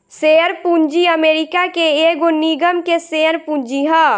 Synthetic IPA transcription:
seəɾpund͡ʒiəmeːɾikakeeɡoniɡəmkeseəɾpũɲd͡ʒiɦə

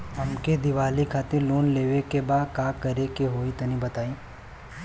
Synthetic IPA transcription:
ɐmked̪ɪʋaːlikʰaːt̪ɪɾloːnleːʋekebaːd̪kaːkɐɾekeɦoːit̪ɐnĩbɐt̪aːĩː

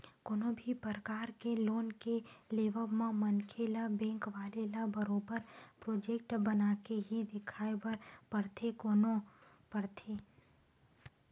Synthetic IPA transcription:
koːnõbʱipəɾəkaːɾkeloːnkeleːʋəmãmɐnkʰelabɛ̃ːŋkʋaːlelabəɾoːbəɾpɾoːd͡ʒeːk̚ʈbɐnaːkeɦid̪ɪkʰaːebɐɾpəɾt̪ʰekoːno | pɐɾt̪ʰeː

